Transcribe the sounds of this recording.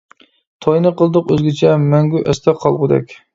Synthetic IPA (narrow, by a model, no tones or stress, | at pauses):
t̪ʰɑjnɨqəlˠd̪əqøzɡʲɛt͡ʃʰɛmɛŋɡʲyʔɛst̪ʰɛqʰɑlˠʁʊd̪ɛ̰kʲ